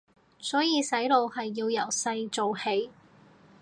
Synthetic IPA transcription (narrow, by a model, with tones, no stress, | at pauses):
sɔː˨˥jiː˨˧sɐ˨˥jlo˨˧whɐ˨jːiː˧wjɐ˨˩wsɐ˧jt͡so˨whe˨˥j